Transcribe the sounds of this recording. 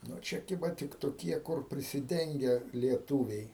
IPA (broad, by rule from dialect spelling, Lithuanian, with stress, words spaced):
ˈnʊ ˈt͡ʃʲɛ ˈkʲɪbɐ ˈtʲɪk toːˈkʲiɛ kʊr pʲrʲɪsʲɪˈdʲɛŋʲɡʲɛ lʲiɛˈtuːʋʲɛɪ